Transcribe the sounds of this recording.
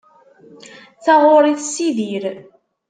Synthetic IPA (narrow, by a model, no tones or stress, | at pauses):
θɑʁoɾˤiθsiðiɾ